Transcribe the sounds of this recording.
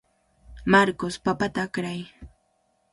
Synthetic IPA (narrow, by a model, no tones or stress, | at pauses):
maɾkospapat̪aːkɾaj